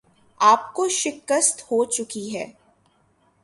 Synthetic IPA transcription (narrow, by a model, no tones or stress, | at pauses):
aːpkoʃɪkəst̪hot͡ʃʊkiɦɛ̰ː